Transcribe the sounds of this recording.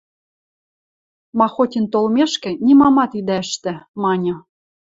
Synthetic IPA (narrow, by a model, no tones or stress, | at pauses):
mɑxotʲint̪olmʲeʃkɘ̆nʲimɑmɑt̪id̪æɘʃt̪ɘ̆mɑnʲɤ̆